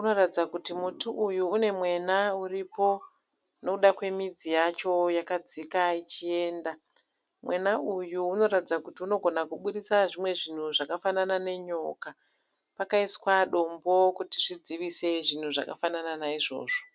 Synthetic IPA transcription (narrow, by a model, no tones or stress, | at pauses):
uno̞ratid͡zakutimutuʔujuːne̞mwe̞nauripo̞ | no̞kuɗakwe̞mid͡zijat͡ʃo̞jakad͡zikait͡ʃie̞ːnda | mwe̞naujuːno̞ɾatid͡zakutiuno̞ɡʱo̞nakuɓuɗisaʐimwe̞ʐin̤uʐakafananane̞ɲo̞ːka | pakaiskwaɗo̞mbo̞kutiʐid͡ziʋise̞ʐin̤uʐa̰ka̰fanananaiʐo̞̰ːʐo